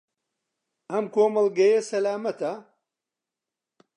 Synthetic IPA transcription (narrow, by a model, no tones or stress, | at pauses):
ɐmkoːmɐlɡɐjɐsɐlaːmɐt̪ɐ